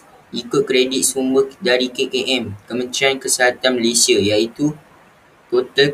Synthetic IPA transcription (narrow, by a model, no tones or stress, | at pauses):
ʔikʊt̪̚kɾedit̪̚sumbəhdaɾikekeʔɛmkəmə̃nt̪ɾiankəsəɦat̪anməlesiəjait̪u | t̪ot̪ə